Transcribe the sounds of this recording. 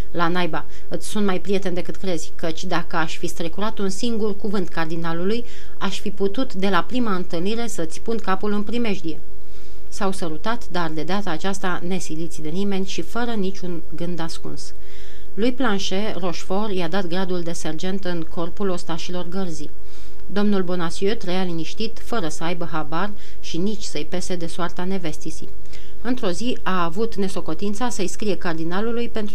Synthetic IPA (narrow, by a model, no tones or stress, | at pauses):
lanajba | ɨt̪sʲsunt̪majpɾije̞t̪e̞nd̪e̞kɨt̪kɾe̞z̥ʲkət͡ʃʲd̪akəaʃʲfist̪ɾekuɾat̪unsiŋɡurkuvɨnt̪kard̪inaluluj | aʃʲfiput̪ut̪d̪e̞lapɾimaɨnt̪ɨlniɾe̞səɨt̪sʲpunkapulɨnpɾime̞ʒd̪ie̞ | sawsəɾut̪at̪d̪ard̪e̞d̪eat̪aːt͡ʃast̪ane̞silit̪sʲd̪e̞nime̞nʲʃifəɾənit͡ʃʲun | ɡɨnd̪askṵns | lujplanʃe̞ro̞ʃfo̞rjad̪at̪ɡɾad̪uld̪e̞se̞rd͡ʒe̞nt̪ɨŋko̞rpulo̞st̪aʃilo̞rɡərzi | d̪o̞mnulbo̞nasiøt̪ɾəjaliniʃt̪it̪fəɾəsəajbəɦabar | ʃinit͡ʃʲsəjpe̞se̞d̪e̞soart̪ane̞ve̞st̪isḭ | ɨnt̪ɾo̞zi | aːvut̪ne̞so̞ko̞t̪int̪sasəjskɾije̞kard̪inalulujpe̞nt̪